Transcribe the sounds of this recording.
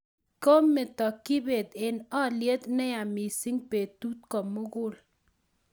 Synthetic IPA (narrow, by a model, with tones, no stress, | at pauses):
ko˦mːɪ˨t̪ɔ˨kɪ˦be˨t̪ɪ˨nɔ˦lje˦t̪nɛ˦ja˨mi˨sɪ˦ŋpe˨t̪u˦t̪̚kɔ˨mʊ˦ɡʊ˦˨l